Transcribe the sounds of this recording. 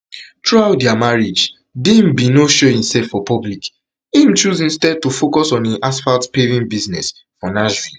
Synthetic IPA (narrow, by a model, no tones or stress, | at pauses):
tʰɹawdɛamaɹid͡ʒ | dĩmbinoʃɔĩmsɛfɔpɔblik | ĩmt͡ʃuzĩnstɛd̚tufokɔsɔ̃niʔasfaltpevĩnbiznɛs | fɔnaʒɹi